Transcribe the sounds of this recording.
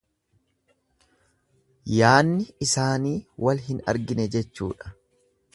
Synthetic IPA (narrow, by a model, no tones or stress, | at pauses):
jaːnːɪɪsaːniːwɐlɦɪnɐ̰ɾɡɪnɛd͡ʒɛt͡ʃːṵːᶑɐ̥